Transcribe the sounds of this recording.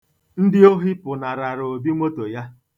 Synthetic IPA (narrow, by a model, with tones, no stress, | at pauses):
n̩˦dɪ˦o˦ɦi˦pʊ˨na˨ɾa˨ɾo˨bi˦ŋʷo˦to˨ja˦